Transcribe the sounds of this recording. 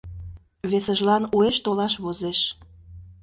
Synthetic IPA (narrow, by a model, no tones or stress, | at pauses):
βesəʒlɑnueʃt̪olɑʃβozeʃ